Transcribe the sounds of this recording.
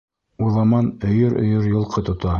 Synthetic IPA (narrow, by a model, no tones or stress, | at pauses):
uðɑmɑnɵ̆jɵɾʔɵ̰̆jɤɾjŏlˠqʰɤt̪ŏt̪ɑ